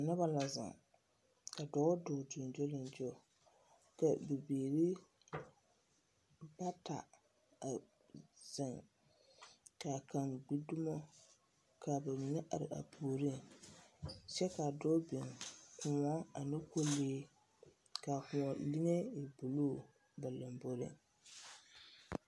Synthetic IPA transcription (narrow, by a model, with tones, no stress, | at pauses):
nʊ˦ba˨la˨zɪ̰˨ŋ | ka˨dɔː˦dʊː˨dʊ˨n˨d͡ʒɔ˦lɪ˨nd͡ʒɔ˦˨ | ka˨bi˨beː˨ɾi˦ | ba˦ta̰˨ | a˨ | z̥ɪ˨ŋ | ka˨ka˨ŋɡ͡bi˦dʊ˦mɔ˦ | ka˨ba˨mi˨ŋe˦ʔa̰˨ɾɪ̰˨ʔa̰˨pʰuː˨ɾi˦˨ŋ | sɛ˦ka˨dɔ˦bi˨ŋkʊ˨ma˦a˨nɪ˦ko˦leː˦ | ka˨kʊ˨ɔ˨lɪ˦ŋe˦ɪ˨bu˨luː˦˨ | ba˨la˨mbo˦ɾɪ̰˦ŋ